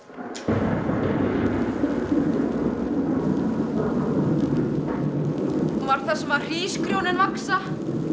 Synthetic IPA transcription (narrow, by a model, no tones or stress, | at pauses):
hunvaɾ̥θɛsɛmvaɾ̥r̥iːskɾjownɪnvaksa